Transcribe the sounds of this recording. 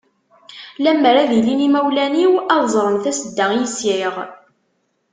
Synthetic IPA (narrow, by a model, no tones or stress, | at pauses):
læmːəɾæðilinimæwlæniwɑðˤzˤɾˤəmθæsəd̪ːəʁjisɪʁ